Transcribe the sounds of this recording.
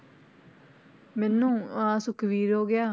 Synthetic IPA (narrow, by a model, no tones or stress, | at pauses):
mɛ̃ːnũːãːsʊkʰʋiːɾɦoːɡɪaː